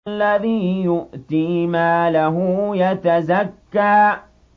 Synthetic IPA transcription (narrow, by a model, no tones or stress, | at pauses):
lːaðiːjʊʔt̪iːmaːlaɦʊjɐt̪ɐzakːaː